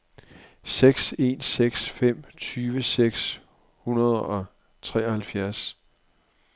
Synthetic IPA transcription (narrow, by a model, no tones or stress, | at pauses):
seɡ̥se̝ːnseɡ̥sfem̰t͡sʰyːʋəseɡ̥s | hunɐð̞ˠɒ̽ | t͡sʰʁɛ̰ːɒhælfjæɐs